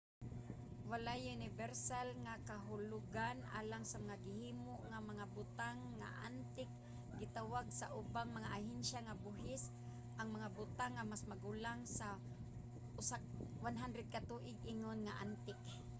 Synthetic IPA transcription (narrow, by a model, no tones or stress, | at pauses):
walajʊnɪvɛɾsalŋakaɦʊlʊɡanʔa̰ːlaŋsamaŋaɡɪhiːmʊʔŋamaŋabʊt̪aŋːa̰ʔant̪ɪk̚ | ɡɪt̪awaɡsaʔʊbaŋmaŋaʔahɪnʃaŋabʊɦɪs | ʔaŋmaŋabʊt̪aŋːamasmaɡʊlaŋsa | ʔʊsawanɦand̪ɾɛd̪̚kat̪uʔɪɡʔɪŋonŋaʔa̰nt̪ɪk